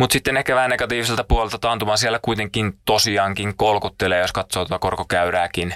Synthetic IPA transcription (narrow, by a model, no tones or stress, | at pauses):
mut̪sit̪ːenːekæʋæːnːeɡ̥ɑt̪iːʋis̬elt̪ɑpuolelt̪ɑt̪ɑːnt̪umɑːnsielːækujt̪eŋkːˑint̪osiɑːŋkiŋkolkut̪ːeleːjo̞skɑt̪soːt̪ot̪ɑko̰rkokæɥɾæːkin